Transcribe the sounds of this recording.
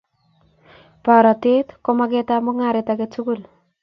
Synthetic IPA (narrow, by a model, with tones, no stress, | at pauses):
pa˨ɾa˨te˦tkɔ˦mak̬e˦ta˦mʊ˦ŋa˦ɾetake˦tu˦ku˦l